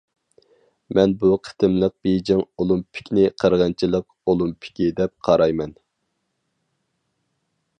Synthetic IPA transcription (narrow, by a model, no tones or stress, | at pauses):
mɛnbuqʰə̥t̪ɨmlˠəq̚bed͡ʒɪŋolˠumpʰɪ̥kʲnɪqʰəɾʁɑnt͡ʃʰilˠəq̚ | olˠumpʰɪ̥kʲid̪ɛp̚qʰɑɾɑjmɛn